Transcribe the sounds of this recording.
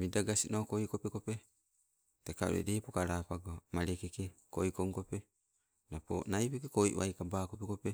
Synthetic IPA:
midaɡasinokojkopekope | tekaṵɾḛdeːpokaɾaːpaɡomaɾekekekojkoŋkope | napo̰najpekekoj̰ʔwa̰jkabaːkopekope

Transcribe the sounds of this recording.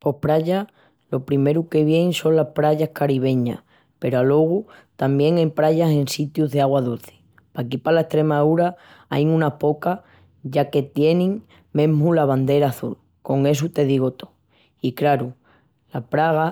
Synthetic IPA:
po̞hpɾaʎa | lo̞pɾime̞ɾuke̞βje̞ŋso̞nlahpɾaʎahkaɾiβ̞e̞ɲa̰ | pe̞ɾoalo̞ɣ̞ut̪ambje̞ŋajpɾaʎase̞nsit̪juzðeaɣwaðulθi̥ | pakipalae̞st̪ɾe̞maðuɾa | a̰jŋũnapo̞ka | ʝake̞t̪je̞nĩŋ | mẽ̞mulaβand̪e̞ɾaːθṵl | ko̞ŋe̞s̬ut̪e̞ð̞iɣ̞o̞t̪o̥ | ikɾaɾu | lapɾaɣ̞a

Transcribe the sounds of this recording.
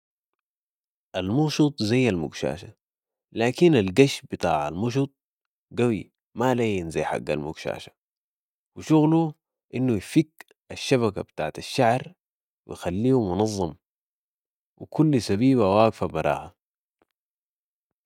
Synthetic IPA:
ʔalmuɣʃut̪ˤzajːalmʊɡʃa̰ːʃa | laːkinalɡaʃbɨt̪ˤɑ̰ːʕa̰lmuʃ̬ut̪̚ˤ | ɡawi | malaːjinzajħa̰ɡːa̰lmuɡʃa̰ːʃḁ | wiʃuɣlu | ʔinːujfikː | ʔaʃːaβakabt̪aːʕt̪aʃːaʕɾ | wḭjxalːiːumʊnɑzˤːɑm | wikʰulːsabiːβawaːɡfabɑɾˤɑ̰ːha

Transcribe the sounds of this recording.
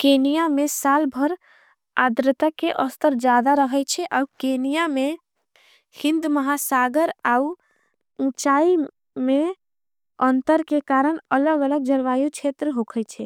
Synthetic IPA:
kenijamesalbʱəɾ | ad̪ɾət̪akeʔəst̪əɾd͡ʒad̪aɾəɦət͡ʃʰɛʔaukenijame | hĩnd̪məɦasaɡəɾau | ũt͡ʃai | me | ənt̪əɾkekaɾəɳələɡələɡ̚d͡ʒəɾʋajut͡ʃʰet̪ɾəɦokʰət͡ʃʰɛ

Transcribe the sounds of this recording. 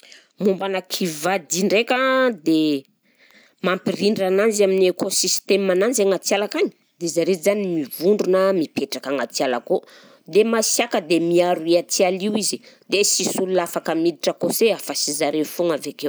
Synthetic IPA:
mumbanakʰivad̪iɳɖ͡ʐekʲad̪e | mampiriɳɖ͡ʐananzaminiekosist̪emananzeŋat͡sialakaɲi̥ | d̪ezaɾezanimivuɳɖ͡ʐunəmipeʈ͡ʂakaŋat͡siala̰ko | d̪emasjakəd̪emiaɾuiat͡sialiwizid̪esisulunafakəmid̪iʈ͡ʂəkoseafasizaɾefuŋavekew

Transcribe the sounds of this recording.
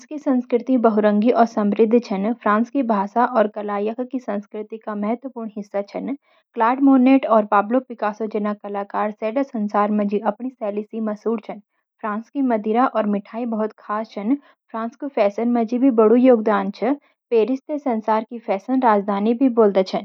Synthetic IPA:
skisɐ̃nskɾɪt̪ĩbɐɦʊɾə̃ŋɡiʔɔːɾsɐ̃mɾɪd̪ʱːt͡ʃʰɐnpʰɾãːnskibʱaːsaʔɔːɾkɐlaːjəkʰkisɐ̃nskɾɪt̪ikamɛɦət̪wəpuːɾɳɦɪsːat͡ʃʰɐn | klaːɖmoːneːʈɔːɾpaːblopɪkaːsod͡ʒənakɐlaːkaːɾsɛːɖəsɐ̃nsaːɾmẽd͡ʒiʔɐpɳisɛːlisimɐsuːɾt͡ʃʰɐn | pʰɾãːnskimɐd̪ʱiɾaʔɔːɾmɪʈʰaːibɐɦʊt̪kʰaːst͡ʃʰɐn | pʰɾãːnskofʰɛːsənmẽd͡ʒibʱibɐɽujoːɡd̪aːnt͡ʃʰɐ | peːɾɪst̪esɐ̃nsaːɾkifʰɛːsənɾaːd͡ʒd̪ʱaːnibʱiboːld̪et͡ʃʰɐn

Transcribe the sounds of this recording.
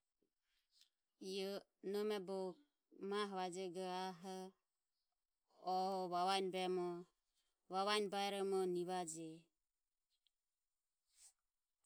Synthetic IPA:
ijɔ | nɔmɛbɔk̚ | maɦβad͡ʒɛɡɔaɦɔ | ɔɔβaβajnbɛmɔ | βaβajnbajɾɔmɔniβad͡ʒɛ

